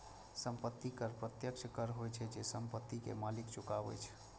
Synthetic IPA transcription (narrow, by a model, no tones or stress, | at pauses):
səmpət̪ːikəɾpɾət̪jəkt͡ʃʰkəɾɦojt͡ʃʰɛd͡ʒesəmpət̪ːikḛmalikt͡ʃukabɛ̰t͡ʃʰɛ̥